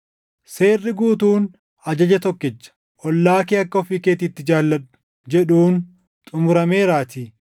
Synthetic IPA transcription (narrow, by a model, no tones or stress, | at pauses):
se̞ːrːɪɡuːt̪uːn | ɐd͡ʒɐd͡ʒɛt̪ɔkːɛt͡ʃːɐ̥ | ʔɔlːaːkiːɐkːɐɔfiːkeːt̪ɪːt̪ːɪd͡ʒaːlːɐᶑʊ̥ | d͡ʒɛᶑuːn | t̪ʼʊmʊɾɐme̞ːɾaːt̪ɪ